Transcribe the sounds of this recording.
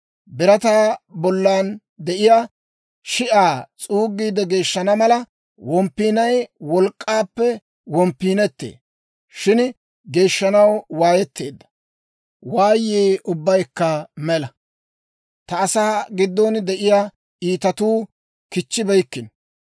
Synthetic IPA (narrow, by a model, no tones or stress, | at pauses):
bɪɾɐt̪aːbɔlːaːn | d̪ɛʔɪjaː | ʃɪʔaːt͡sʼuːɡːiːd̪ɛɡe̞ːʃːɐnɐmɐlɐ | wɔmpːiːnɐjwɔlkʼːaːpːɛ | wɔmpːiːnɛt̪ːḛː | ʃɪn | ɡe̞ːʃːɐnɐwwaːjɛt̪ːe̞ːd̪ːɐ̥ | waːjːeːʊbːɐjkːɐmɛlɐ | t̪ɐːsaːɡɪd̪ːɔnd̪ɛʔɪjaː | iːt̪ɐt̪uː | kɪt͡ʃːɪbɛjkːɪn